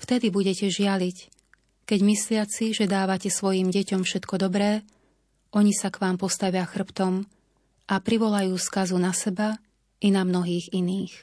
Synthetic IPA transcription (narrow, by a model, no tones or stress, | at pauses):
ft̪ɛd̪ibuɟɛcɛʒɪalic | kɛɟmislɪat͡siʒɛd̪aːʋacɛsʋɔjimɟɛcɔmfʃɛt̪kɔd̪ɔbɾɛː | ʔɔɲisakʋaːmpɔst̪aʋɪaxr̩pt̪ɔm | ʔapɾiʋɔlajuːskazunasɛba | inamnɔɦiːɣiniːx